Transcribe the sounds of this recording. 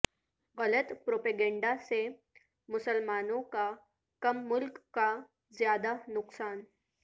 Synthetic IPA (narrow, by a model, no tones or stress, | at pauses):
ɣələt̪pɾopeɡẽɳɖase | mʊsəlmaːnõka | kəmːʊlkːa | zjad̪anʊksaːn